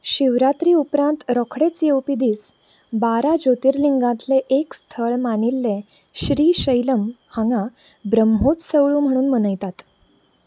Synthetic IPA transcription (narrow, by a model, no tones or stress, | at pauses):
ɕiʋɾat̪ɾiːupɾãnt̪ɾɔkʰɽet͡sjewpid̪iːs | baɾad͡ʑot̪iːɾliŋɡãt̪leʔekst̪ʰəɭmanilːẽ | ɕɾiːɕəjləmhaŋɡa | bɾəmɦot͡ssəwɭuːm̤əɽ̃uːnm̤ənəjt̪at̪